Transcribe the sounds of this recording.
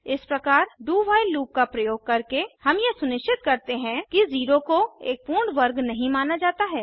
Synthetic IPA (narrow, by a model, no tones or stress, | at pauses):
ɪspɾɐkaːɾɖuːʋaːɪlːuːkkapɾɐjoːɡ̚kɐɾkehɐmjesʊnɪʃt͡ʃɪt̪̚kɐɾt̪eɦɛ̃kiziːɾokoeːk̚puːɾɳɖʋɐɾɡnɐɦĩmaːnad͡ʒaːt̪aɦɛː